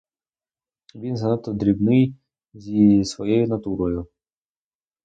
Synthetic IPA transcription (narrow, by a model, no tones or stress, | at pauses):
ʋʲinzɐnɑt̪ːɔd̪ɾʲibnɪj | zʲisʋɔjɛjʊnɐt̪uɾɔjʊ